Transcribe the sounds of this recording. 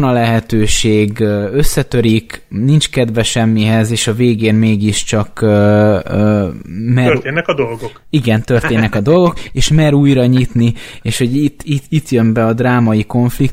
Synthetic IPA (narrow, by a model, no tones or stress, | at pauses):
nɒlɛɦɛt̪øːʃeːɡø̞sːɛt̪ø̞ɾiknint͡ʃkɛd̪vɛʃɛmːiɦɛzeːʃɒveːɡeːnmeːɡiʃt͡ʃɒkø | mɛeːnɛkɒd̪olɡokiɡɛnt̪ørt̪eːnːɛkɒd̪o̞lɡo̞keːʃmɛɾuːjrɒɲit̪nieːʃho̞ɟit̪ːiit̪jø̞mbɛɒd̪raːmɒjiko̞ɱflik